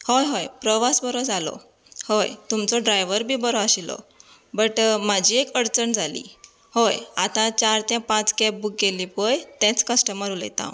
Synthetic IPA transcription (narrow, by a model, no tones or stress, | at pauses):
hojɦojpɾəʋasbəɾɔd͡zʱalɔ̰ | hojt̪umt͡sɔɖɾajʋəɾbʱiːbəɾɔaɕilɔ̰ | bəʈmad͡ʑʱiːekəɽt͡səɳd͡zʱalḭː | hojat̪ãt͡ɕaɾt̪jãpãt͡skɛp̚buk̚ɡelipəjt̪ɛ̃t͡skəsʈəməɾuljḛt̪ã̰